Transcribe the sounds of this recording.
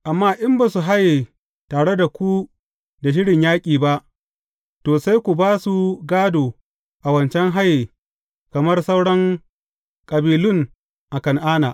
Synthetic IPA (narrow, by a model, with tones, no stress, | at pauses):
ʔa˨mːaː˦ʔɪ˦mbaː˦su˨ɦa˦jːi˨ | taː˨ɽe˦da˨kʷu˦ | da˨ʃ̬ɪ˦ɽɪ˨ɲjaː˦kʲʼiː˨ba˦ʔ | toː˨sa˦jkʷu˨baː˦su˨ɡaː˦doː˨ | ʔa˨wɐ˨nt͡ʃɛ˦ŋɦa˦ji˨ | kɐ˨mɐ˦rsa˦wɽɐ˦ŋ | kʼɐ˨biː˨lʊ˦ŋ | ʔa˨kɐ˨ŋʔaː˦naː˨ʔ